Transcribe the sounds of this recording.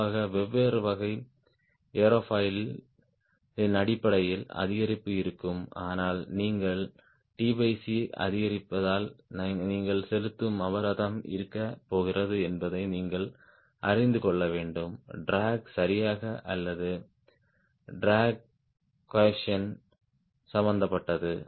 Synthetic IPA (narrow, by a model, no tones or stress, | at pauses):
aːɣɐʋɛʋːeːrɯʋɐɣɐɪ | eɾoːfɐɪl | ɪnɐɽɪpːɐɽɐjɪlɐ̰ðɪɣɐɾɪpːɯɪɾɯkːɯmaːnaːlniːŋɡɐɭ | ʈiːbɐɪsiɐ̰ðɪɣɐɾɪpːɐðaːlnniːŋɡɐɭsɛlɯt̪ːɯmɐʋɐɾɐðɐmʔɪ̰ɾɯkːɐpːoːɣɪrɐðɯɛnbɐðɐɪniːŋɡɐɭ | ʔɐɾɪnd̪ɯkɔɭːɐʋeːɳɖɯmɖɾaːɡsɐɾɪjaːɣɐʔɐlːɐðɯ | ɖɾaːɡ̚ | kːɛʂɐn | sɐmbɐnd̪ɐpːɐʈːɐðɯ